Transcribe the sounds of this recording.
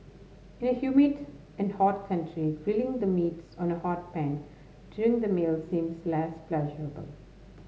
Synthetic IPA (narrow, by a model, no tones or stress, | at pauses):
ɪ̃nəhjuːmɪɖ | ɛ̃nɖhɔːʈ̚kʰʌ̃ɳʈʰɾiɡɪlɪ̃ŋd̪əmiːʈsɔ̃ːnəhɔːʈ̚pæ̃n | ɖ̥juːɾɪ̃ŋd̪əmeːlsĩːmslæsplɛʒəɹəbə̰l